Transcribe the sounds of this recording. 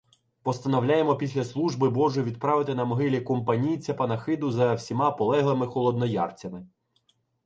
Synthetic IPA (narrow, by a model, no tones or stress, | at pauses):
pɔst̪ɐnɔwlʲɑjemɔpʲisʲlʲɐslˠuʒbɪbɔʒʊʋʲid̪̚pɾɑʋɪt̪ɪnɐmɔɦɪlʲikɔmpɐnʲijt͡sʲːɐpɐnɐxɪd̪ʊzɐwsʲimɑpɔlˠɛɦlˠɪmɪxɔlˠɔd̪nɔjɑ̰rt͡sʲɐmɪ